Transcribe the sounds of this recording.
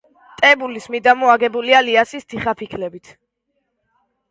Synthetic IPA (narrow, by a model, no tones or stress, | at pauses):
t̪ʼɛbulismid̪amɔaɡɛbulialiasist̪ʰiχapʰikʰlɛbit̪ʰ